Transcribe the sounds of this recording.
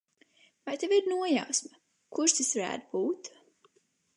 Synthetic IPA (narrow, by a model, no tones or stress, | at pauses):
vajt̪eviɾnuɔjawsma | kuɾʃt̪isvaɾæ̰ːd̪buːt̪